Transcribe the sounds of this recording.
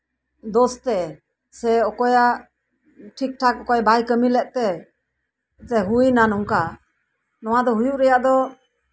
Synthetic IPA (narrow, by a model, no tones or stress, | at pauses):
d̪ɔst̪ɛ | sɛɔkɔja | ʈʰik̚ʈʰak̚ɔkɔjbajkəmilɛʔ̚t̪ɛ | t̪ɛɦujnanuŋka | nɔwad̪ɔɦujuʔɾɛjaʔd̪ɔ